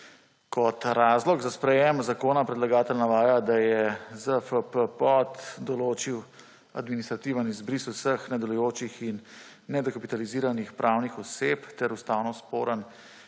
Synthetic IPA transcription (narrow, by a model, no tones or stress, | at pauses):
kɔt̪ɾaːzlɔɡzaspɾɛjɛmzakoːnapɾɛd̪laɡaːt̪əlnaʋaːjad̪ajɛzəfəpəpɔt̪d̪ɔloːt͡ʃiw | a̰d̪minist̪ɾat̪iːʋanizbɾisusəxnad̪ɔlujoːt͡ʃixinː | ɛd̪ɔkapit̪aliziːɾanixpɾʔawnixɔsept̪ɛɾust̪aːwnɔspoːɾən